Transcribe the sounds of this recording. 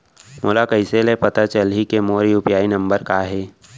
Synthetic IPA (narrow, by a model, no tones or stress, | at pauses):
molakəɪselepɐt̪at͡ʃəlɦikemoːɾiʊpjaːinɐ̃mbəɾkaɦeː